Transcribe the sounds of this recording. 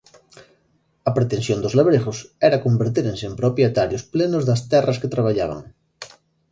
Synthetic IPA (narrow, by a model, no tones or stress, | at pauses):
ɐpɾet̪ensjond̪ozleβɾeɣʊsɛɾakombeɾt̪iɾensempɾopjet̪aɾjosplenʊzðast̪ɛrɐsket̪ɾaβaʎa̰βa̰ŋ